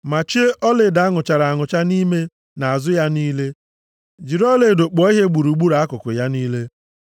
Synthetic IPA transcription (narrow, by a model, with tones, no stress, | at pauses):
ma˨t͡ʃi˦e˦ʔɔ˦lɪ˨˦˨da˨˦ŋʊ˨t͡ʃa˨ɾa˨ŋʊ˨t͡ʃa˦ni˦me˦ | na˨a˨zʊ˦ja˦niː˦le˦ | d͡ʒi˨ɾɔ˦le˨do˨k͡pɔ˨˦i˦ɦe˦ɡ͡bu˨ɾu˨ɡ͡bu˦ɾa˨a˦kʊ˨kʊ˨ja˦niː˦le˦